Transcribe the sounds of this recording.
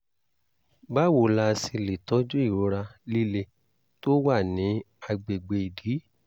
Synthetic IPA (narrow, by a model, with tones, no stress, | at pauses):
ba˦wo˨la˧si˧li˨tɔ˨˦d͡ʒu˦i˦˨ɾo˨˦ɾa˧li˦le˧ | to˦wa˦˨nĩ˨˦ | a˧ɡ͡be˨ɡ͡be˧˨i˨di˨˦